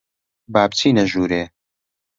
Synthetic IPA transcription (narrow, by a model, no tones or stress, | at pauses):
baːb̚t͡sʰiːnɐʒuːɾeː